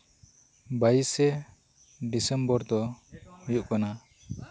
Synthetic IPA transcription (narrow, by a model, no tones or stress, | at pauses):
bajisɛ | ɖisɛmbɔɾd̪ɔhujuʔkana